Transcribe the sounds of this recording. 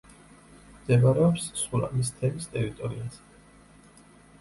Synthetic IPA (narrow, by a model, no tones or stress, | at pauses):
md̪̥ɛvaɾɛɔpssuɾa̰mist̪ʰɛmist̪ʼɛɾit̪ʼɔɾiaz̥ɛ